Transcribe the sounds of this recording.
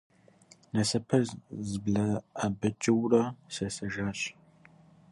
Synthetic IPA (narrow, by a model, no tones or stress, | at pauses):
nɐsɐpʰɐzzɨbɮɐabɐt͡ʃʼɪwrɐsɐsɐʒaːɕʼ